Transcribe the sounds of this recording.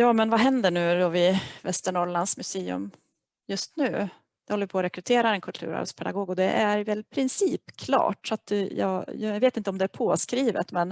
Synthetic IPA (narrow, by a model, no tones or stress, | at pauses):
jɑːmɛnvaɦɛnd̪əɳʉ̟ːd̪ɔvɪvɛst̪əɳɔɭansmɵseːɵ̰m | jɵst̪nʉ̟ː | d̪ɛhɔlːəvɪpʰɔɾɛkɾɵt̪ʰeːɾaɛnkʰɵlt̪ʰʉ̰ːɾa̰bə̰spʰɛd̪a̰ɡoːɡɔd̪ɛʔæɾvɛlpʰɾɪnsiːpkʰlɑ̰ːʈsɔat̪jɑ̰ːjjɡveːt̪ɪnt̪əɔmd̪ɛæɾpʰoːskɾiːvə̰t̪mɛn